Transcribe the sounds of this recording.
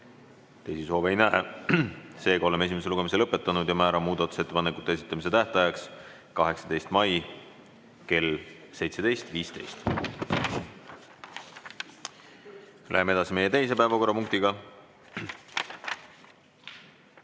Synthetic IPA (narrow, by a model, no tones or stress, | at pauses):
t̪e̞jsiso̞ːvejnæe | se̞ːɡ̥ɑo̞le̞me̞s̬imeseluɡ̥e̞mis̬e̞lɤpːˑe̞t̪ːˑɑnud̪̥jɑmæːɾɑmuːd̪ɑt̪ːˑu̥se̞t̪ːepɑnekˑut̪ːˑeesit̪ːˑɑmis̬e̞t̪æht̪ɑjɑks | kɑɦe̞ksɑ̥d̪e̞jst̪mɑj | ke̞l | se̞jt̪se̞d̪e̞jst̪viːst̪e̞̰jst̪ | lʔæ̰ɦemee̞d̪ɑsime̞je̞t̪e̞js̬e̞pæevɑko̞rːɑpuŋkt̪iɡɑ